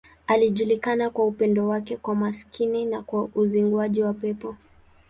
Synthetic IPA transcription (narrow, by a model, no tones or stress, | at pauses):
aliʄulikanakwaupɛndɔwakɛkwamaskʰininakwaʔuziŋɡwaʄiwapɛpɔ